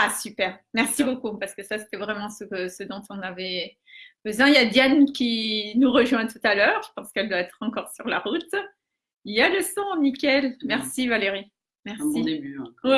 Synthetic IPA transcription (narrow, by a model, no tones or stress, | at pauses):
asypɛʁmɛʁsibokupaʁsə̥kəsase̥t̪ɛvʁɛmɑ̃səksəd̪ɔ̃t̪ʰɔ̃navɛ | b̥əzwɛ̃ijad̪jankʲinuʁəʒwɛ̃t̪ut̪alœːʁʒə̥pɑ̃skɛld̪waɛt̪χɑ̃kɔʁsyʁlaʁut̪ | iljaləsɔ̃mikʲɛlmɛʁsivaleʁi | mɛʁsieby